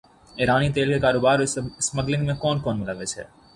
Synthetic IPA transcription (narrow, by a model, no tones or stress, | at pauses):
ɪɾaːnit̪̬eːlkekaːɾoːbaːɾsmɐɡlɪ̃ŋɡmẽkɔːnkɔːnmɪlaʋɪd͡ʒɦɛ̰ː